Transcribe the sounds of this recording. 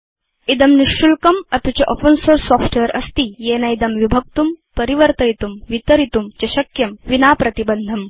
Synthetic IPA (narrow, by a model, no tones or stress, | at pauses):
id̪ɐmniʂːulkɐmɐp̪ut͡ɕɐʔofənsoːɾsɔːfʈʰejɾɐ̰st̪ijeːnɐjd̪ɐmʋibʱɐk̚t̪umpɐɾiʋɐɾt̪ɐjt̪umʋit̪ɐɾit̪umt͡ɕɐɕɐkjɐmʋinaːpɾɐt̪ibɐnd̪ʱɐm